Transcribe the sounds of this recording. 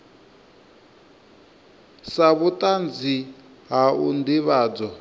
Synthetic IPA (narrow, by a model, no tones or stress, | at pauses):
saβutʼand͡zi | ɦaṵnd̪iβaːd͡zɔ